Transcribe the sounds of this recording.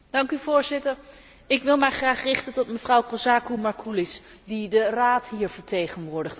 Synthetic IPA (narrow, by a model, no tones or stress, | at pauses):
d̥ɑŋkyvʊːɹzɪtəɹ | ɪkʋɪlˠmɛjχraːχrɪχtəntɔtməvrʌwkosaːkumɑɹkʰulɪs | didəraːtɦiːɹvəɹtejχənʋʊːɹdəχt